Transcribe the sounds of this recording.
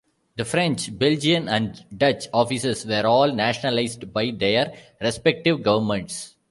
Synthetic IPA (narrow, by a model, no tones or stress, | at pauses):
d̪əfɾɛ̃ɲt͡ʃbɛld͡ʒiə̃næ̃ɳɖɖʌt͡ʃɔːfisesʋɛːɾɔːlnæːʃənəlaɪzɖbaɪd̪eːəɾɾɛspɛk̚ʈɪʋɡʌʋəɾmɛ̃ɳʈs